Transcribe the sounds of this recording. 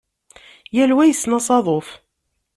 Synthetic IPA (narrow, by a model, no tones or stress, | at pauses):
jælwæjəsːnɑsˤɑðˤof